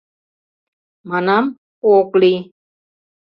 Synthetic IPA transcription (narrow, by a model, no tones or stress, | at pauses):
manam | kokli